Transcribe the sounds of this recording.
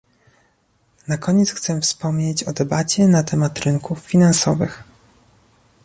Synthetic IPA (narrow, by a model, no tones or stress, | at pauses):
nakɔɲɛt̪sxt̪sɛfspɔmɲet͡ɕɔd̪ɛbat͡ɕɛnat̪ʰɛmat̪ɾɘŋkufːʲinansɔvɘ̰x